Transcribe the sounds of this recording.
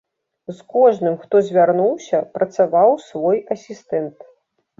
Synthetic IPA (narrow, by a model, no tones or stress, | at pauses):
skɔʐnɨmxt̪ɔzʲvʲarnuwsʲɐpɾɐt̪savawsvɔjɐsʲist̪ɛnt̪